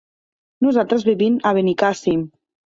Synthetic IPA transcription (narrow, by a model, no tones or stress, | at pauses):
nuzalt̪ɾəzβiβimaβenikasim